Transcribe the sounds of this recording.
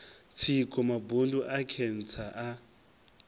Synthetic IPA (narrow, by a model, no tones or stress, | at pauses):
t͡sʰikʼɔmabunduʔakʰɛn̩t͡sʰaʔa